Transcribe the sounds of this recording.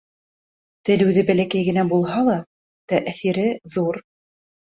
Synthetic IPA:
t̪ɘ̆lɘ̆wðɘbælækæjɡɘ̆næbulˠɦɑlˠɑ | t̪æʔæθiɾɘðuɾ

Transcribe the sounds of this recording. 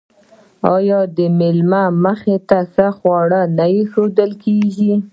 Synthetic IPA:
ɑjɑd̪əmɪlmaməxet̪asəxwɑɽənajixod̪əlkeʒi

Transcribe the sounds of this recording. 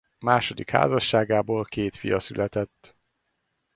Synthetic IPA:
maːʃo̞d̪ikha̰ːzɒʃːaːɡaːboːlkeːt̪fijɒsylʔɛt̪ɛt̪ː

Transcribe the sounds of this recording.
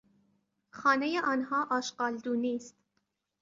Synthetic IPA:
xɑːnejeʔɒːnhɒːʔɒːʃqɑːld̪uːniːst̪

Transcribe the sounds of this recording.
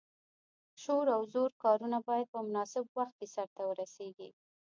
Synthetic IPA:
ʃoɾawzoɾkɑɾunabɑjad̪̚pəmʊnɑsɪbwaxt̪̚kesaɾt̪awəɾaseɡḭ

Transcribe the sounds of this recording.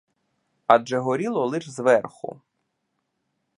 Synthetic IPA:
ɐd͡ʒɛɦɔɾʲilˠɔlˠɪʒzʋɛrxʊ̰

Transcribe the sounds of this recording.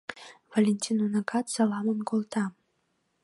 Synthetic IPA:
valʲenʲtʰʲinonaɡat̪salˠamonɡolˠt̪ʰa

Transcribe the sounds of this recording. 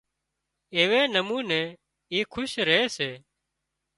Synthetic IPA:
eːʋeːnəmũːnẽː | iːkʰʊʃɾəɦeːseː

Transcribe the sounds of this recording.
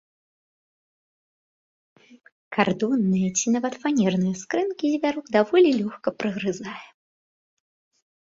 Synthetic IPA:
kard̪ɔnːɨjɐt͡sʲinavɐt̪fanʲɛrnɨjɐskɾɛnkʲizʲvʲaɾɔɡd̪avɔlʲilʲɔxkɐpɾɨɣɾɨzajɛ

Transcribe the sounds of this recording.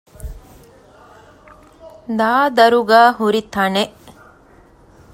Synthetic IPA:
d̪aːd̪ɐɾuɡaːhuɾit̪ɐneʔ

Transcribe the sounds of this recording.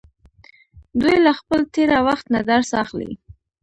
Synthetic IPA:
d̪ujlaxpəlt̪eɾawaxt̪nad̪aɾsɑxlḭ

